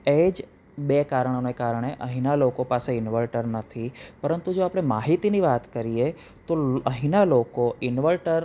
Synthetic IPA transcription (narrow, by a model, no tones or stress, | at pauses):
ed͡ʒ | bekaɾɳ̃onekaɾɳ̃eʔəɦinalokopaseɪnʋəlʈəɾnət̪ʰipəɾənt̪ud͡ʒoapɽ̃emaɦit̪iniʋat̪kəɾie | t̪oəɦinalokoɪnʋəlʈəɾ